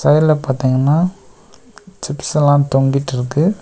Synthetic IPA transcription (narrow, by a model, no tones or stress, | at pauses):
sɐjlɐpaːɾt̪iːŋɡɐnːaː | t͡ʃɪpsɛlãːt̪ɔŋɡiʈːɪɾɯkːɯ